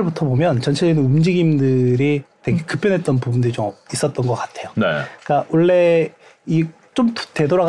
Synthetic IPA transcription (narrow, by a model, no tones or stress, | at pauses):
ɭbutʰʌbomjʌnt͡ɕʌnt͡ɕʰed͡ʑinɯnumd͡ʑiɡimdɯɾitwe̞ɡekɯp͈ʰjʌnɦe̞t̚t͈ʌnpubundɯɾit͡ɕomis͈ʌt̚t͈ʌnɡʌk͈atʰe̞jonek͈awʌɭːe̞ | i | t͡ɕ͈omte̞doɾaɣ